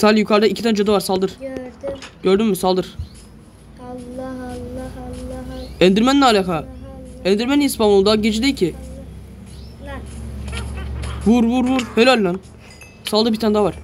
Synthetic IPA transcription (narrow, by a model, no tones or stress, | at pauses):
saːlʲjukʰaɾd̪aicʰit̪ʰænd͡ʒød̪avaɾsalˠd̪ɯɾ̥ | ɟøɾd̪ymːysalˠd̪ɯɾ̥ | ɛnd̪iɾmænnaːlʲaxaɛnd̪iɾmæniispanulˠd̪aɟed͡ʒid̪eilʲcʰi | vuɾvuɾvuɾhelʲolʲːan | salˠd̪ɯbiɾt̪ʰand̪avaɾ̥